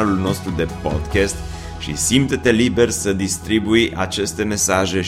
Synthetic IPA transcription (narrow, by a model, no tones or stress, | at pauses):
lulno̞st̪ɾud̪e̞po̰d̪kʲest̪ | ʃḭsimt̪et̪elibe̞rsəd̪ist̪ɾibuja̰t͡ʃe̞st̪e̞me̞saʒe̞